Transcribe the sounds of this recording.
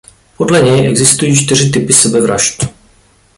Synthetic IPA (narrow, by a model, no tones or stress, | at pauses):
podlɛɲɛjʔɛɡzɪst̪ujiːt͡ʃt̪ɪr̝ɪt̪̬ɪpɪsɛbɛvɾa̰ʃt̪